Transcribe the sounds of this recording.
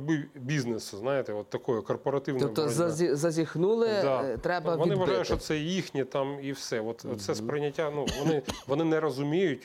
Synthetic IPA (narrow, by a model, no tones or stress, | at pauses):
bɪbʲiznesʊznɑjet̪ɛɔt̪ːɐkɔjʊkɔrpɔɾɐt̪ɪwnɔɔjb̪ɔɐizɐzʲixnulˠɪd̪ɑt̪ɾɛbɐʋɔniɪʋɐʒɑjʊʃt͡ʃɔt̪sɛjixnʲit̪ɑmiwsɛʋɔt̪t̪sɛspɾɪnʲːɐtʲːanuʋɔnɪʋɔnɪnɛɾɔzʊmʲijʊtʲ